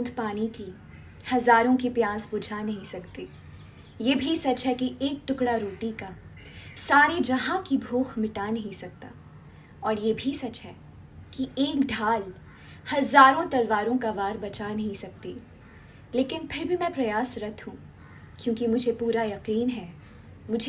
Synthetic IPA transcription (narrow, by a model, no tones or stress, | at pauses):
uːnd̪ʱpaːniki | hɐzaːɾõkipjaːsbʊd͡ʒʱanɐɦĩsɐkt̪eː | jeːbʱisɐt͡ʃɦɛkiʔeːk̚ʈʊkɽaɾoːʈika | saːned͡ʒɐɦãkibʱoːxmɪʈanɐɦĩsɐk̚t̪a̰ː | ɔːɾjeːbʱisɐt͡ʃɦɛː | kieːkɖʱaːl | hɐzaːɾõt̪ɐlʋaːɾõkaʋaːɾbɐt͡ʃanɐɦĩsɐk̚t̪i | leːkɪnpʰɪɾbʱimɛ̃pɾɐjaːsɾɐt̪ʰɦũ | kjõːkimʊd͡ʒʱepuːɾajɐqiːnɦɛː | mʊd͡ʒʱe